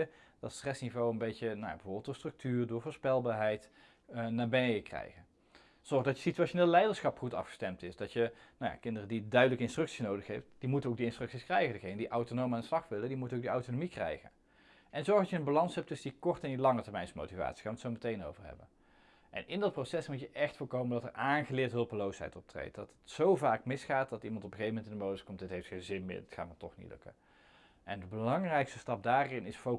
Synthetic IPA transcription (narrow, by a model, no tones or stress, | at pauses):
əd̥ɑtstrɛsnivowənbejcənawja̰bəvʊːɹbɪəlˠd̥ʊːɹstrɵk̚tyːrdʊːɹvʊːɹspɛlˠbaːɹɦɛjt | naːɹbɪnəjəkrɛ̰jɣən | z̥ɔɹxdɑcə̥sityaːʃoneːlˠlɛjdəɹsχɑpχutɑ̰fχə̥stɛmtɪsdɑtjənawja̰kɪndərədidœɥdələkəɪnstrɵktsisnowdəxɦɛftd̥imutənoʊwk̚diɪnstrɵksiskrɛjχəndəɣejnədiʔɑwtonowmandəslɑχʋɪlədimutənowɡ̚diɑwtonomikrɛ̰jɣə̰n | ʔɛnzɔɹxdɑtjəənbalɑnsɦɛp̚tɵsəndikɔrtəɛndilɑŋətəɹmɛjnsmo̰wtiva̰ːtsi̥xaːnʋətsowmətejno̰wvəɹɦɛ̰bə̰n | ʔɛ̰nʔɪndɑt̚prosɛsmutjəʔɛxtfʊːɹkowməndɑtə̰ɹʔaːnχəlɪːɹtɦɵlˠpəlowsɦɛ̰jtɔp̚trḛjt̚dɑtətsowvaːkmɪsχaːt̚dɑtimɑntɔpəxejvəmɛntɪndəmowdəskɔmt̚d̥ɪtɦejftxejnzɪnmɪ̰ːɹdɪtxaːnmətɔχnḭtlɵ̰kə̰n | ʔɛndəbəlɑŋrɛjkstə̥stɑp̚daːrɪnɪsfo